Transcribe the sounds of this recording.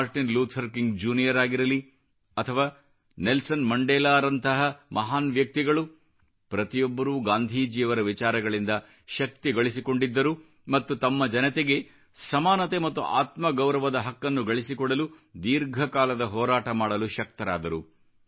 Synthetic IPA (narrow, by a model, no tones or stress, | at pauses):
aɾʈinluːt̪hɐɾkiŋɡd͡ʒuːnijɐɾaːɡiɾɐli | ɐt̪ʰɐʋaː | nelsɐnmɐɳɖɛːlaːɾɐnt̪ɐɦɐmʔɐɦaːnʋjɐk̚t̪iɡɐɭu | pɾɐt̪ijɔbːɐɾuːɡaːnd̪ʱiːd͡ʒiːɐʋɐɾɐʋit͡ʃaːɾɐɡɐɭind̪ɐ | ʃɐk̚t̪iɡɐɭisiko̞ɳɖid̪ːɐɾu | mɐt̪ːut̪ɐmːɐd͡ʒɐnɐt̪eɡe̞ | sɐmaːnɐt̪e̞mɐt̪ːuʔa̰ːt̪mɐɡɐwɾɐʋɐd̪ɐɦɐkːɐnːuɡɐɭisikɔɽɐlu | d̪iːɾɡʱɐkaːlɐd̪ɐɦɔːɾaːʈɐmaːɽɐluʃɐk̚t̪ɐɾa̰ːd̪ɐɾu